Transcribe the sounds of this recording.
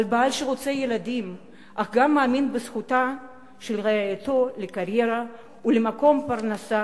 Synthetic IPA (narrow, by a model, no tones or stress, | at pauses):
albaalʃeʁot͡seje̞lad̪im | ʔaχɡamːaːminbesχuta | ʃelʁeajat̪o̞lekaʁje̞ʁa | ulemako̞mpaʁnasa